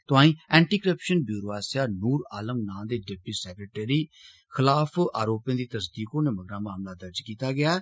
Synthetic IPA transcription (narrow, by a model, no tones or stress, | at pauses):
t̪ʊãːĩːɛ̃ːɳʈiːkəɾəpʃənbjuːɾoaːsaːnuːɾaːləmnãːd̪eːɖɪbiːsɛːkɾeːʈeːɾiː | xʰɪlaːpʰaːɾoːpjãːd̪iːt̪əsd̪iːkoːneːməɡɾãːmaːmlaːd̪əɾd͡ʒkiːt̪aːɡɪjaː